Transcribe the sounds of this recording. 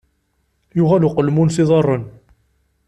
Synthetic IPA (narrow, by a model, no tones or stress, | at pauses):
jʊʁæluqəlmunsiðˤɑrˤːən